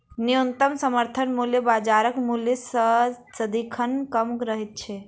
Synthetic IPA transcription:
nijunt̪əmsəməɾt̪ʰənmuljebad͡ʒaɾəkmuljesə | səd̪ikʰənkəmkɾəɦɛt̪̚t͡ʃʰɛ

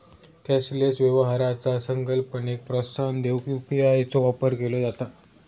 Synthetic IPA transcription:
t̪jaslesʋjəʋɦaɾat͡sasəŋkəlpəɳek̚pɾəst̪ʰand̪ewkjupiajt͡soʋapəɾkelod͡zat̪a

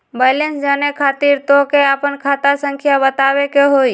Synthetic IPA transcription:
baːlensd͡ʒaːnekʰaːt̪iːɾt̪okeapənkʰaːt̪asə̃ŋkʰjabət̪aːwekeɦoːi

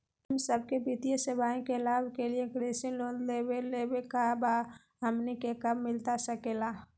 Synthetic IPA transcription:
ɦəmsəb̚kebɪt̪ijesəbaːẽkelaːbkeliekɾeːsɪ̃nloːlleweleːbekaba | ɦəmnikekəmːɪlt̪asəkeːla

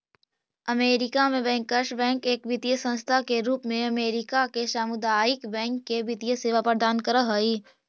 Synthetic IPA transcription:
ɐmeːɾɪkamẽbɛ̃ːŋkːəɾʃbɛ̃ːŋkeːkʋɪt̪ijəsə̃nst̪ʰakeɾuːpmẽɐmeːɾɪkakeʃaːmʊd̪aːɪkbɛ̃ːŋkːebɪt̪ijəseːʋapəɾd̪aːnkəɾəɦoiː

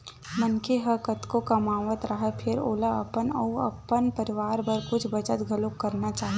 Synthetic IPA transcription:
mɐnkeɦɐkɐt̪kokɐmaːʋət̪ɾɐɦɛpʰɪɾoːlaɐ̰pənɐ̰uɐ̰pːənpɐɾɪʋaːɾbɐɾkʊt͡ʃʰbɐt͡ʃət̪ɡʱɐlokːɐɾnat͡ʃaːɦe

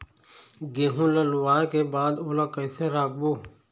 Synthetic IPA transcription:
ɡeːɦũːlalʊwaːekeːbaːd̪oːlaːkəjseːɾaːk̚boː

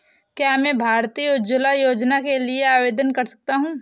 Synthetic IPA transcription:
kjaːmɛ̃ːbʱaːɾt̪iod͡ʒʊlajoːd͡ʒnakelieaːʋeːd̪ənkɐɾsɐ̥k̚t̪aɦũː

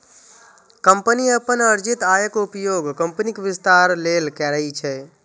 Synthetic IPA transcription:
kəmpəniəpənəɾd͡ʒɪt̪aːjəkupjoːɡkəmpnikʋɪst̪aːɾleːlkɛɾəɦit͡ʃʰɛ

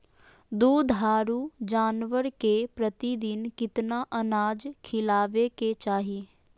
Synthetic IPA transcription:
d̪uːd̪ɦaːɾud͡ʒaːnʋəɾkepɾət̪id̪ɪnkɪt̪naʔənaːd͡ʒkʰɪlaːʋeket͡ʃaːɦiː

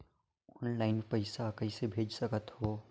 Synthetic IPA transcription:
ɔːnlaːɪnpəɪsakɐɪsebʱeːd͡ʒsɐkət̪hoː

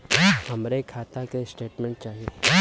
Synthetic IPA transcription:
hɐmɾekʰaːt̪akesʈeːʈmẽɳʈ̚t͡ʃaːɦie

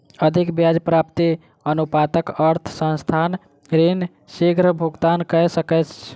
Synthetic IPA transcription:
əd̪ʱikbjad͡ʒpɾapt̪i | ənupat̪əkəɾt̪ʰsə̃nst̪ʰan | ɾen | siɡɾəbʱuɡt̪ankəsəkɛt͡ʃ

